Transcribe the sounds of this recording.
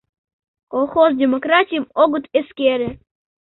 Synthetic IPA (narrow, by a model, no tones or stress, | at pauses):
kolˠxozdʲemokɾatʲijmoɡʊt̪eskʲeɾʲɘ̆